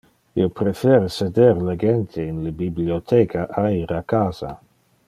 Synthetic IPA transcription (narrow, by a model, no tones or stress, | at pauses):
ḭopɾefeːɾesed̪eɾleɡent̪ʰeinlebibliot̪ʰeːkʰaʔaiːɾakaːza̰